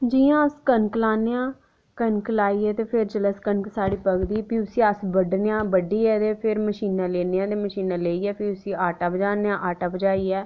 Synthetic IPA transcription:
d͡ʒiːãːəskənklaːneãː | kənkəlaːiːɛːt̪eːpʰɪɾd͡ʒələskənksaːɽiːpəɡd̪iːpiːʊsĩːəsbəɖnejãːbəɖiːɛːt̪eːpʰɪɾməʃiːnãːleːneãːd̪eːməʃiːnãːleːiːɛːpʰɪɾʊsĩːaːʈaːbəd͡ʒaːnejãːʔaːʈaːbəd͡ʒaːiːɛː

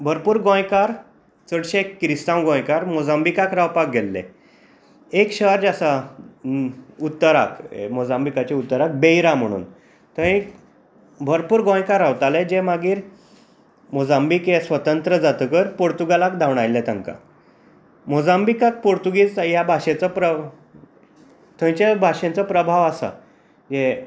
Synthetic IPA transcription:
bʱəɾpuːɾɡõjkaɾ | t͡səɽɕekːɾist̪ãwɡõjkaɾmod͡zãmbikakɾawpak̚ɡʱelːɛ̰ | ekɕəɾd͡ʑasa | ut̪ːəɾa̰kmod͡zãmbikat͡ɕeut̪ːəɾak̚beiɾam̤əɽ̃ṵːn | t̪ə̃ĩk | bʱəɾpuːɾɡõj̃kaɾaʋt̪aled͡ʑemaɡiːɾ | mod͡zambikjesʋət̪ənt̪ɾəd͡zat̪əkəɾpoɽt̪uɡalakd̪ʱawɳajlːɛt̪əŋka̰ | mod͡zambikak̚poɽt̪uɡiːt͡sjabʱaɕẽt͡səpɾə | t̪ʰə̃t͡ɕabʱaʂẽnt͡səpɾəbʱaʋasa̰ | je

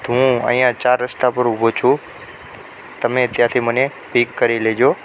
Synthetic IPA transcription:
t̪ɦũə̰ɦĩjãt͡ʃaːɾːəst̪apəɾʊbʱot͡ʃʰũ | t̪əmet̪jãt̪ʰiməne | pikːəɾiled͡ʒo

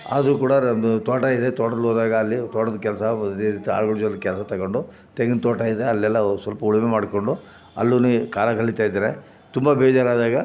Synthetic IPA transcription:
a̰d̪ɾukuːɽɐɐnd̪ut̪ɔːʈaːjid̪et̪ɔːʈɐd̪ɐlɔːd̪aːɡɐːlːit̪ɔːʈɐd̪ɐkɛlɐsɐit̪a̰ːɭɡɐɭud͡ʒɔnd̪ɐkɛlɐsɐt̪ɐɡoɳɖu | t̪eɡent̪ɔːʈaːjid̪eɐlːɛlːɐsʋɐlpɐuɭmemaːɽkoɳɖu | ɐ̰lːunikaːlɐkɐɭit̪aːjd̪aːɾe | t̪umbɐbɛːd͡ʒaːɾaːd̪aːɡɐ

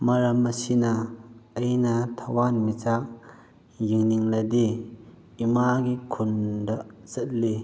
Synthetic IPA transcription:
mɐɾɐmːɐsinɐː | jnat̪ʰawanmit͡sak̚ | jiŋniŋlɐd̪e | imaɡikʰundɐt͡sət̚le

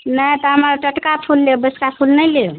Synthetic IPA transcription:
najt̪ɔɦəməɾʈəʈkapʰulːebəskapʰulnəjle

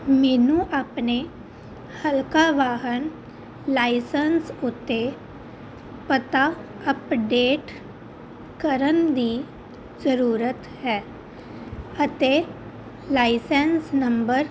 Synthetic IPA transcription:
mɛːnũʔaːpne | həlkaʋaːɦən | laːɪsənsʊt̪ːe | pət̪a | əpɖeːʈ | kəɾənd̪iː | zəɾuːɾət̪ɦɛː | ət̪e | laːɪsɛnsnə̃mbəɾ

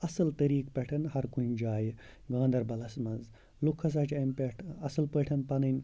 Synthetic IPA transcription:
ɐsɨlt̪ɐɾiːkpʲɐʈʰɐnhɐɾkund͡ʒaːj | ɡãːnd̪ɐɾbɐlɐsmɐnz | lukʰɐsɐt͡ʃɐmpeʈʰɐsɨlpəʈʰɐnpɐnɨnʲ

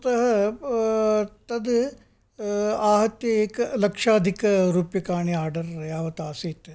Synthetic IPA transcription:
t̪ɐɦɐ | t̪ɐd̪ | aːɦɐt̪jɐeːkɐlɐkʂaːd̪ʱikɐɾuːpjɐkaːɳiaːɾɖɐɾjaːʋɐt̪aːsɐit̪ːe

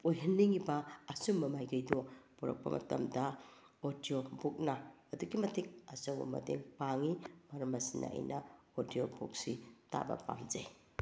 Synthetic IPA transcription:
ojɦɐnːiŋibɐːsumːɐmajɡɐjdopuɾɐ̰k̚pɐ̰mʔɐ̰tɐ̰mdɐ | odijobuk̚nɐː | duɡimɐtʰik̚ɐsɐwbɐ̰mɐ̰dḛŋpaŋimɐɾɐmɐsinːɐ̰ʔɐ̰jnɐ | odiobuk̚sita̰bɐ̰pa̰ŋd͡ʒej

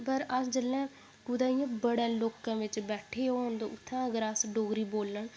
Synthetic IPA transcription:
pəɾəsd͡ʒəlːɛ̃ː | kʊd̪aːijãːbəɽãːloːkãːʋɪt͡ʃbɛːʈʰeːoːoːnd̪oːʔʊt̪ʰːãːəɡəɾasɖoːɡɾiːboːlːəɳ

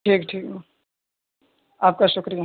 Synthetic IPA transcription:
ʈʰiːkʈʰiːkː | aːp̚kaʃʊkɾija

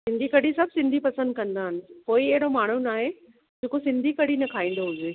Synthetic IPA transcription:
sɪ̃nd̪ʱikɐɽisɐbʱsɪ̃nd̪ʱipɐsə̃nd̪̚kɐ̃nd̪aːɦɪnɪ̆poːiɐɦɪɽomaːɳ̤unaːɦe | d͡ʑeːkosɪ̃nd̪ʱikɐɽinɐkʰaːĩːn̆d̪oɦʊd͡ʑeː

